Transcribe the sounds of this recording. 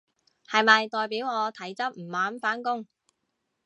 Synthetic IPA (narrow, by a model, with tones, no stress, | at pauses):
hɐ˨jmɐ˨jt̪ɔː˨jpiː˨˥wŋɔː˨˧t̪ʰɐ˨˥jt͡sɐ˥p̚m̩˨˩waː˨˥nfaː˨˥nkʊ˥ŋ